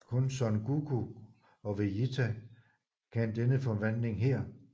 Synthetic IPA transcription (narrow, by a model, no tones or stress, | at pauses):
kʰɔ̽nsɒ̽nɡ̥uɡ̥ʰu | ɒ̽ʋeit͡sʰæ | kʰænd̥enəfɒ̽ʋæn̰le̝ŋɦeɐ̰